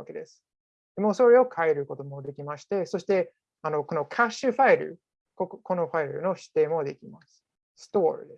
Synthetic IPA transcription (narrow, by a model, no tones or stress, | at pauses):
a̰ke̞d̪e̞sɨ̥ | d̪emoːso̞ɾe̞o̞kʰae̞ɾɯ̟ko̞t̪o̞mo̞d̪e̞kʲimaɕi̥t̪e̞so̞ɕi̥t̪e̞ | ano̞ko̞no̞kʰaɕɨɸaiɾɯ̰ | koko̞no̞ɸaiɾɯ̟̰no̞ɕi̥t̪ːe̞ːmo̞d̪e̞kʲimasɨ̥ | sɨ̥t̪o̞ːɾɯ̟̰d̪es